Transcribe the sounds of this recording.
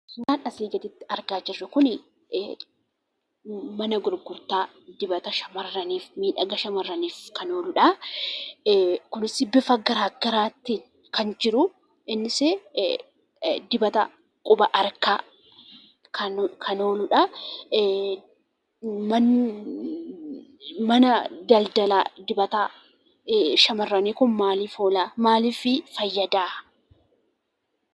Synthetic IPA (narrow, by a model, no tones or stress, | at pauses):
naːᶑɐsiːɡɐt̪ɪt̪ːɪ̥ʔɐɾɡaːd͡ʒɪrːɐkʊnɪ | mɐnɐɡʊɾɡʊɾt̪aː | d̪ɪbɐt̪ɐʃɐmɐrːɐniːfmiːᶑɐɡɐʃɐmɐrːɐniːfkɐno̞ːlʊᶑɐ | kʊnɪsɪbɪfɐɡɐɾaːɡɐɾaːt̪ːiːn | kɐnd͡ʒɪɾʊ | ɪnːɪse | d̪ɪbɐt̪ɐ̰ | kʼʊbɐʔɐɾkaː | kʰɐkʰɐnoːlʊᶑɐ | mɐn | mɐnɐd̪ɐld̪ɐla̰ːd̪ɪbɐt̪a | ʃɐmɐrːɐneːkʊnmaːliːfoːlaːmaːliːfɪfɐjːɐd̪aː